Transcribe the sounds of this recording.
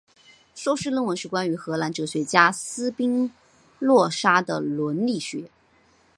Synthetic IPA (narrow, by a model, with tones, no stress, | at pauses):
ʂo˥ʊʂɻ̩˥˧lə˥nwə˧˥nʂɻ̩˥˩kwa˥ny˧˥xɤ˧˥la˧˥nʈ͡ʂɤ˧˥ɕɥɛ˧˥t͡ɕja˥sɹ̩˥pi˥ŋ | lwɔ˥˩ʂa˥d̪ə̰˨˩lwə˧˥nli˥˩ɕɥɛ˧˥